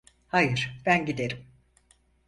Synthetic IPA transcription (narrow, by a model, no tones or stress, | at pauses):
hajɯɾ̥b̥ænɟid̪e̞ɾim